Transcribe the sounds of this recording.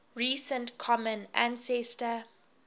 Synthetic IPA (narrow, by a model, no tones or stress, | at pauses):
ɹiːsə̃ntkʰɔmə̃nã̰nsɛstə